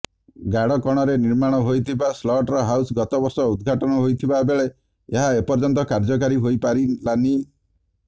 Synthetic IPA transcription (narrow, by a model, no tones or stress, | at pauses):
ɡaɽɔkɔɽ̃ɔɾeniɾmaɽ̃ɔɦojt̪ʰibaslɔʈɾɔɦawsɡɔt̪ɔbɔɾsɔud̪ɡʱaʈɔnɔɦojt̪ʰibabeɭe | eɦaepɔɾd͡ʒɔnt̪ɔkaɾd͡ʒɔk̬aɾiɦojpaɾilani